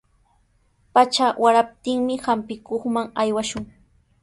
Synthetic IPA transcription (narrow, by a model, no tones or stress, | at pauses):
pat͡ʃawaɾap̚t̪ɪŋmɪhampɪkoχmaŋajwaʃʊŋ